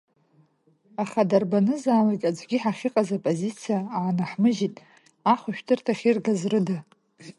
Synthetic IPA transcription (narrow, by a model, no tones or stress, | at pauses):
aχadarbanɨzaːlaɡʲʼad͡zɡʲiħaχʲɪqʼazapʼozit͡sʰijaaʕnaħmɨʒitʼ | aχʷaʃᶣtʰɨrtʰaχʲirɡazrɨda